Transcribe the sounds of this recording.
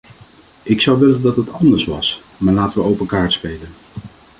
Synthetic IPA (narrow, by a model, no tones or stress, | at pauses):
ʔɪksʌwʋɪləndɑtɦətɑndəɹsʋɑs | maːɹlaːtəʋəowpəkaːɹtspejlən